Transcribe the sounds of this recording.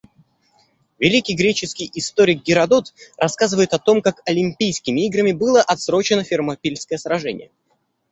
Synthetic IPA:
vʲɪlʲikʲɪjɡɾʲet͡ɕɪskʲɪjɪst̪o̞ɾʲɪk̚ɡʲɪɾɐd̪ot̪rɐskazɨvəjɪt̪ɐt̪o̞mkakɐlʲɪmʲpʲijskʲɪmʲɪiɡɾəmʲɪbɨlˠəʔɐt̪sɾo̞t͡ɕɪnəfʲɪrmɐpʲilʲskəjəsɾɐʐɛ̰nʲɪ̰jə

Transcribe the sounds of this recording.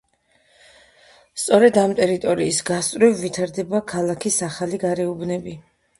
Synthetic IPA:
st̪sʼɔɾɛd̪amt̪ʼɛɾit̪ʼɔɾiːsɡast̪ʼɾivːit̪ʰaɾd̪ɛbakʰalˠakʰisaχaliɡaɾɛubnɛbi

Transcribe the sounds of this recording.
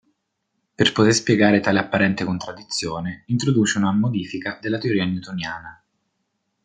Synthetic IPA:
perpot̪erspjeɡaːɾet̪aːleapːaɾɛnt̪ekont̪ɾad̪ːit̪sːjoːneint̪ɾod̪uːt͡ʃeunamod̪iːfikad̪elːat̪eoɾiːanjut̪onjaːna

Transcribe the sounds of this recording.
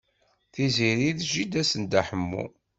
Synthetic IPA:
θiziɾiðʒid̪æsənd̪æħəmːṵ

